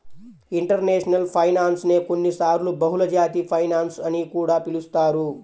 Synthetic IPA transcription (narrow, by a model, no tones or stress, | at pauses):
iɳʈɐɾneːʂnɐlpʰɐjnaːnsneːkonːisaːɾlubɐɦulɐd͡ʒaːt̪ipʰɐjnaːnsɐnikuːɽaːpilust̪aːɾu